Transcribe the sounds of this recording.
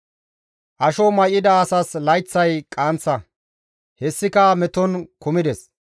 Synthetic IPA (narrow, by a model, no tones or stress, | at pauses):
ʔɐʃɔmɐjɪd̪ɐːsɐslɐjt͡sːɐjkʼaːnt͡sːɐ | hɛsːɪkɐmɛt̪ɔnkʊmɪd̪ɛs